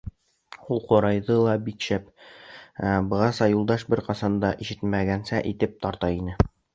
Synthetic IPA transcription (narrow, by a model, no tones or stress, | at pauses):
ulˠqŏɾɑjðɤlˠɑbikʃæp | æbɤ̆ʁɑsɑjulˠd̪ɑʃbɘɾqɑsɑnd̪ɑʔiʃɘ̥t̪mæɡænsæʔit̪ɘp̚t̪ɒɾt̪ɑinɘ